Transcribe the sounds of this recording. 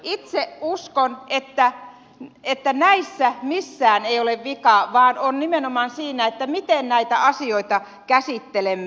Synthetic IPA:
it̪seʔuskonet̪ːæ | et̪ːænæisːæmisːæːneioleʋʋikɑʋɑːnonnimenomɑnsiːnæet̪ːæmit̪ennæit̪æɑsioit̪ɑ | kæsit̪ːelemːe

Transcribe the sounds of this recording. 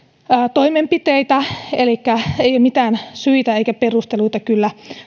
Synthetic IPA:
t̪oimempit̪eit̪æelikːæeijomit̪æːnsyit̪æeikæperust̪eluit̪ɑkylːæ

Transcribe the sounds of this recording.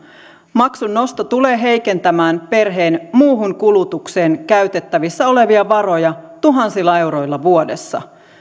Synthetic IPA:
mɑksunːo̞st̪ɑt̪ule̞ːɦe̞jke̞nt̪æmæːnpe̞rɦe̞ːnmuːɦuŋkulut̪ukseːnkæɥt̪e̞t̪ːæʋisːæo̞le̞ʋiɑʋɑɾo̞jɑt̪uɦɑnsilːɑe̞wɾo̞jlːɑʋuode̞sːɑ̰

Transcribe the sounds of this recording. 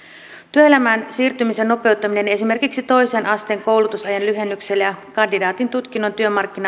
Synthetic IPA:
t̪yøe̞læmæːnsiːrt̪ymise̞nːo̞pe̞wt̪ːɑmine̞ne̞sime̞rkiksit̪o̞jse̞ːnʔɑst̪e̞ːŋko̞wlut̪usɑjɑnlyɦe̞nːykse̞lːjɑkɑndidɑːt̪int̪ut̪k̟inːo̞nt̪yømɑrk̟ːinɑ

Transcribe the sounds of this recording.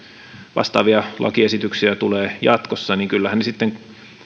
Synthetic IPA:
ʋɑ̰st̪ɑ̰ːʋiɑlʔɑ̰kiesit̪yksiæt̪uleːjɑt̪kosːɑniŋkylːæhænesit̪ːeŋ

